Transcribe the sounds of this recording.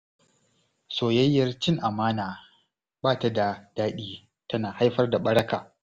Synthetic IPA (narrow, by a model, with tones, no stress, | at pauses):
soː˨jɐ˦jːɐ˦rt͡ʃɪ˦ŋʔa˨maː˦naː˨ | baː˦˨ta˨da˨daː˦ɗiː˦ | tɐ˦naː˨ha˦jɸɐ˦rda˨ɓɐ˦ɽɐ˦kaː˨